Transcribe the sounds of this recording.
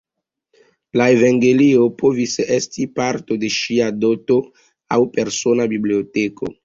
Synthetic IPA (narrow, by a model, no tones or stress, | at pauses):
laevaŋɡe̞lio̞po̞visestipaɾto̞de̞ʃiado̞to̞ | awpe̞ɾso̞nabiblio̞tekʰo̞̰